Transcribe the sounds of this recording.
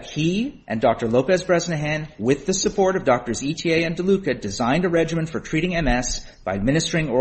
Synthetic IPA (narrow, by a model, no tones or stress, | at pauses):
hiʔɨ̰̃ndɔk̚tə˞loʊpɛzbɹɛznɨɦæ̃nwɪðɨsɨpʰɔɹɾʌvdɔk̚tə˞zitʰieɪɨ̃ndəlʉkɨdɨzãɪ̃ndɨɹɛd͡ʒɨmɨ̃ntfə˞tʰɹ̥iɾɪ̃ŋɛ̃mɛs | b̥aɪmɪ̃nɨstə˞ɪ̃ŋɔ